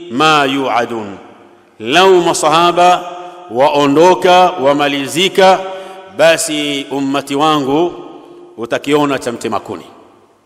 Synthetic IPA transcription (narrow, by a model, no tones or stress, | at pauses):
majuʕadun | laumasɑhaɓawaʔɔndɔkawamalizikaɓasium̩ːatiwaŋɡu | utakiɔnat͡ʃam̩tɛma̰kṵnḭ